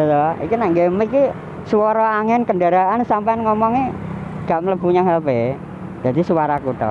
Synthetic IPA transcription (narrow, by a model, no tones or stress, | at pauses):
tɔḭkinaŋɡemiki | suwɔɾɔaŋɛnkəndaɾaʔansampanŋɔmɔŋeɡ̥aʔmələb̥uɲaŋɦɛlpe | dd͡ʒ̥ad̪isuwaɾakut̪ɔ̰